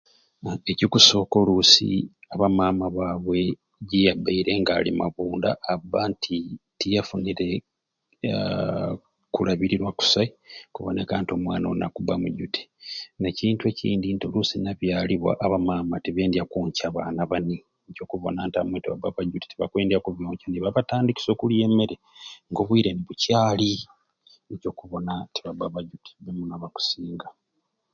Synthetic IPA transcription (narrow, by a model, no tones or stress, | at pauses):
ecokuso̞ːko̞lusḭaβamaːmaβaːβwe̞ | ɟijabaiɾe̞ŋɡaːlḭma̰βuːndaːbːaːntʰitijafuniɾe̞ | kulaβiɾiɾwaku̥saikuβo̞nekantio̞mwaːno̰na̰kuβamuɟuti̥neciːntue̞cḭːndintolusinaβjaːliβwa̰ʔːβamaːmatiβe̞ːndiakuːɲcaβa̰naβani | eco̞ːkuβo̞nanta̰mwetiβabaβaɟuti̥tiβakwe̞ːndiakuβjo̞ːɲcaniβaβataːndici̥soːkulije̞meɾe̞ | ŋɡoβwiːɾeniβucaːli | eco̞ːkuβo̞nati̥βabaβaɟuti̥βemunaβaku̥siːŋɡa